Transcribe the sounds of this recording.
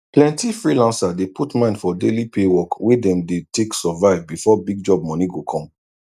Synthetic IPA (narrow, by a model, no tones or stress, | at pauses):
plɛ̃ntifɹilãnsadeputmãɪ̃nfɔdelipewɔkwedɛ̃mdetʰeksɔvaɪvbifɔbiɡ̚d͡ʒɔb̚mɔ̃niɡokʰɔ̃m